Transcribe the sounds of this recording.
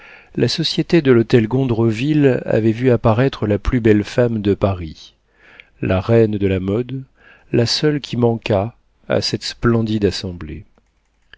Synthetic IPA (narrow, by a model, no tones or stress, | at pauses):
lasɔsjet̪ed̪əlot̪ɛlɡɔ̃d̪ʁəvila̰vɛvyapaʁɛt̪χəlaplybɛlfamd̪əpaʁi | laʁɛnd̪əlamɔd̪ | lasœlkʲʰimɑ̃ka | a̰sɛt̪splɑ̃d̪id̪asɑ̃blḛ